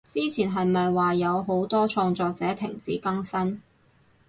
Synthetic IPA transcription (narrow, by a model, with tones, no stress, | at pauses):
t͡siː˥t͡sʰiː˨˩nɦɐ˨jmɐ˨jwaː˨jɐ˨˧wɦo˨˥wt̪ɔː˥t͡ʃʰɔː˧ŋt͡sɔː˨˧k̚t͡sɛː˨˥t̪ʰɪ̰˨˩ŋt͡sḭː˨˥kɐ˥ŋsɐ˥n